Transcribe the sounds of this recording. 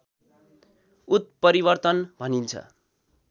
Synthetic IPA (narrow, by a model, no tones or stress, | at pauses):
ut̪̚pʌɾibʌrt̪ʌnbʱʌnint͡sʰʌ̰